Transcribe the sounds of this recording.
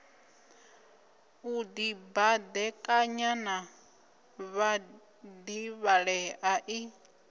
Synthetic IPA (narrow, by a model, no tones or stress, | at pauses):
ud̪ibad̪ɛkʼaɲana | βa | d̪iβaɺɛʔaʔi